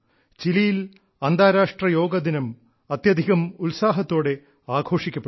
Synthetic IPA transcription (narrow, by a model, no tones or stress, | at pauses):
t͡ɕilijil | ɐnd̪aːɾaːʂʈrɐjo̞ːɡɐd̪inɐm | ɐt̪jɐd̪ʱiɣɐmulsaːɦɐt̪ːo̞ːɽe̞ | aːɡʱo̞ːʂikʲːɐpːe